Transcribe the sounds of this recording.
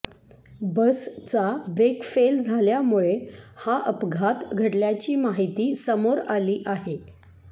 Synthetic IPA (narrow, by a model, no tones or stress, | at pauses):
bəst͡sabɾekfeld͡zʱaljamuɭehaʔəpɡʱat̪ɡʱəɽljat͡ɕiːmaɦit̪iːsəmoɾaliːʔaɦe